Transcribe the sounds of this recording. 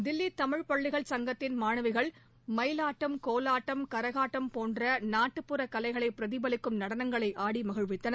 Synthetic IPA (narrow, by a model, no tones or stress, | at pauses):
d̪ɪlːit̪ɐmɪɻpɐɭːɪɣɐɭsɐŋɡɐt̪ːɪnmaːnɐʋɪɣɐɭ | mɐɪlaːʈːɐmkoːlaːʈːɐmkɐɾɐɣaːʈːɐmpoːndrɐnaːʈːɯpːɯɾɐkɐlɐɪɣɐɭɐɪpːɪɾɐðɪbɐlɪkːɯmnɐɽɐnɐŋɡɐɭɐɪʔaːɽimɐɣɯɻʋɪt̪ːɐnɐ